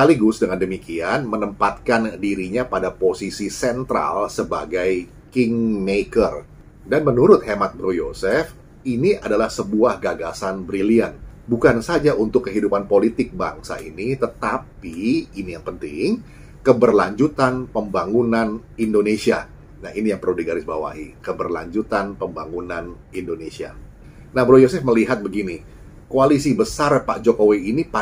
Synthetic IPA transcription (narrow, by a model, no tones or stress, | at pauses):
səaliɡʊsdəŋandəmikianmənəmpat̪̚kandiɾiɲapadaposisisɛnt̪ɾa̰lsəba̰ɡaj | kɪŋmekər | danmənuɾʊt̪̚hemat̪̚bɾojosɛf | iniʔadalahsəbuahɡaɡasanbɾilianbukansad͡ʒaʔunt̪ʊkːəɦidupanpolit̪ɪk̚ba̰ŋsa̰ʔḭnit̪ət̪apiinijaŋpənt̪ɪ̰ŋ | kəbərlaɲd͡ʒut̪anpəmbaŋunanindonesia | nainijaŋpərludiɡaɾɪsbawa̰ʔḭkəbərla̰ɲd͡ʒut̪anpəmbaŋunan | indonesia̰ | nahbɾojosɛfməliɦat̪̚bəɡini | koalisibəsarpaʔd͡ʒokowiːnipa